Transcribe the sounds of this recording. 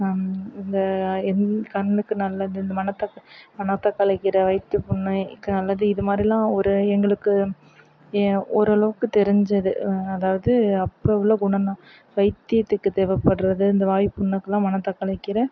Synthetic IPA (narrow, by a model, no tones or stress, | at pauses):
ɪnd̪ɐɛnkɐnːɯkːɯnɐlːɐðɯɪnd̪ɐmɐnɐt̪ːɐkːmɐnɐt̪ːɐkːɐlɐɪkːɪɾɐʋɐɪt̪ːɯpʊnːɐkːɯnɐlːɐðɯɪðɯmaːd̪ɾilãːɔɾɯɛŋɡɐɭɯkːɯ | ɔɾɯɐɭɐʋɯkːɯt̪ɛɾɪɲd͡ʒɐðɯɐðaːʋɐðɯɐpːɐɪʋɪloːɡʊɳɐnãː | ʋɐɪt̪ːɪɐt̪ːɯkːɯt̪eːʋɐpːɐɽɯɾɐðɯɪnd̪ɐʋaːjɪpːʊɳːɐkːɐlãːmɐnɐt̪ːɐkːɐɭɐɪkːɪɾɐ